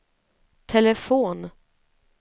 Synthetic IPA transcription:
t̪ʰɛlɛfoːn

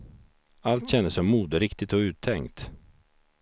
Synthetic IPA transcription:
alt̪ɕɛnːəsɔmːuːd̪əɾɪkt̪ɪt̪ɔʉ̟ːt̪ʰːɛŋkt̪

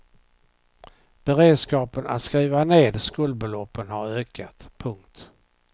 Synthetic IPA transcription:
b̥ɛɾeːd̪skɑːpəna̰t̪skɾiːvaneːd̪skuːld̪̚bɛlɔpːənhaɾøːkʰat̪pʰɵŋkt̪

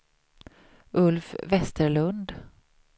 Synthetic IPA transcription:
ʔɵlfvɛst̪əɾɭɵnd̪

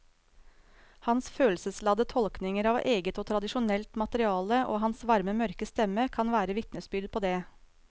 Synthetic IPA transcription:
hɑnsføːlsəslɑd̪ət̪ʰɔlknɪŋəɾɑːʋʔeːɡət̪oːt̪ʰɾɑd̪ɪʃʊnɛlt̪mɑt̪əɾɪɑːləʔo̰ːhɑnsʋɑɾməmœɾkəst̪ɛməkʰɑnʋæːɾəʋɪt̪nəsbʏɾd̪̚pʰoːd̪eː

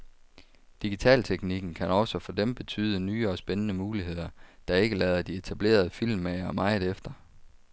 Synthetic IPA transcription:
d̥iɡ̥it͡sʰɛ̰ːlt͡sʰeɡ̥niɡ̥n̩kʰænɒ̽sɒfɒ̽d̥emb̥e̝t͡sʰy̰ːð̞ˠənyːɒ̽sb̥enənəmuːlihe̝ð̰ˠɐd̥ɑ̈e̝ɡ̥əlɛːðˠɐd̥ie̝t͡sʰæb̥le̝̰ːɐð̞ˠəfil̰mːæɪɐmɑ̈ɪð̩ˠefd̥ɐ

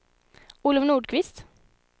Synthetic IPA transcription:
ulʊʋnuːɖkʰʋɪst̪

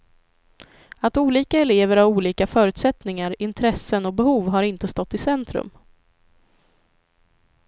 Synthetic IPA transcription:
at̪uːliːkaɛleːvəɾhaɾuːliːkafœːɾʉ̟ːt̪sɛt̪nɪŋaɾɪnt̪ʰɾɛsːənɔbɛhuːvɦaɾɪnt̪əst̪ɔt̪ːɪsɛnt̪ɾɵ̰m

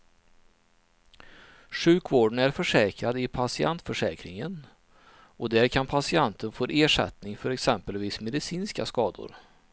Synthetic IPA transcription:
ɧʉ̟ːkvoːɖəɳæɾfœʂɛːkɾad̪ɪpʰasɪant̪fœʂɛːkɾɪŋən | ɔd̪æːɾkʰanpʰasɪant̪ʰənfoːɾʔeːʂɛ̰t̪nɪŋfœɾɛksɛmpəlviːsmɛd̪ɪsiːnska̰skɑːd̪ʊ̰ɾ

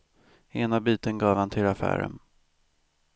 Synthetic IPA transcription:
eːnabiːt̪ənɡɑːvhant̪ʰɪlafæ̰ːɾə̰n

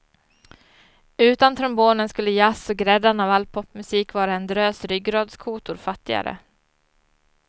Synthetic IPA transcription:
ʉ̟ːt̪ant̪ʰɾɔmboːnənskɵlːəjasɔɡɾɛd̪ːanavalpʰɔpːmɵsiːkvɑːɾaɛnd̪ɾøːsɾʏɡɾɑːd̪skʰuːt̪ʊɾfat̪ːɪɡa̰ɾə̰

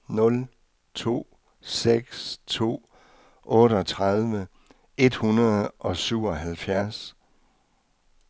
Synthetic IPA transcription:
nɔ̽l | t͡sʰo̝̰ː | seɡ̥st͡sʰo̝̰ː | ʔɔ̽ːɾəɒ̽t͡sʰʁaðˠʋə | e̝d̥hunɐð̩ˠʔɒ̽syʊ̰ɒ̽ɦælfjæɐs

